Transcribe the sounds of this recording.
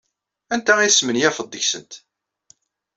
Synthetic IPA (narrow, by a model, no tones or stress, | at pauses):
ænt̪æismənjæfəd̪ˤːəçsənt̪